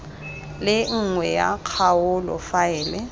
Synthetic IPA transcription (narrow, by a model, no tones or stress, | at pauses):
lɪŋ̩ŋwɛja̰q͡χʰaʊlɔ̰faɛːlɛ